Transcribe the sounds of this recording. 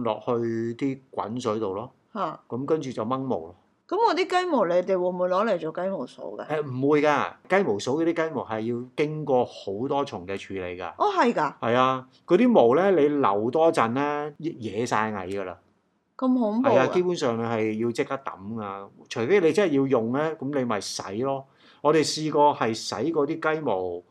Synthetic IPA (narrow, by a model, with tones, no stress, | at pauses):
lɔ̰ː˨k̚hɵ˧ɥt̪iː˥kwɐ̰˨˥nsɵ˨˥ɥt̪o˨wlɔː˥ | haː˨˩kɐ˨˦mkɐ˥nt͡ʃyː˨t͡sɐ˨wmɐ˥ŋmo̰˨˩wlɔ˨˥ | kɐ˨˥mkɔː˨˧t̪iː˥kɐ˥jmo˨˩wle˨˧jt̪e˨jwʊ˨˩muː˨˧jlɔː˨˥le˨˩t͡ʃo˨˧kɐ˥jmo˨˩wso̰˨˥wkɐ̰˧ʔɛː˧m̩˨˩mwuː˨˧jkaː˧kɐ˥jmo˨˩wso˨˥wkɛ˧t̪iː˥kɐ˥jmo˨˩whɐ˨jːiː˧wkɪ˥ŋkɔː˧ho˨˥wt̪ɔː˥t͡ʃʰʊ˨˩ŋkɛː˧t͡ʃʰyː˨˥lḛ˨˧jka̰ː˧ʔɔ˧˩ɦɐ˨jkaː˧hɐ˨jaː˧ | kɔ˨˧t̪iː˥mo˨˩wlɛː˥le˨˧jlɐ̰˨˩wt̪ɔː˥t͡sɐ˨nlɛː˥jjɛː˨˧sa̰ː˧jŋɐ̰˨jɡɐ˧la̰ː˧ | kɐ˧mho˨˥˨ɐ˨jaː˧ke˥jpuː˨˥nsœː˨ŋne˧hɐ˨jːiː˧wt͡sɪ˥k̚t̪ɐ˥k̚t̪ɐ̰˨˥mka˧t͡ʃʰɵ˨˩jfe˨˥jle˧t͡snhɐ˨˩ji˧wjʊ˨ŋlɛː˥kɐ˨˥mle˨˧jmɐ˨jsɐ̰˨˥jlɔː˦˥ | ŋɔː˨˧t̪e˨jsiː˧kɔː˧hɐ˨jsɐ̰˨˥jkɔː˧t̪iː˥kɐ˥jmo˨˩w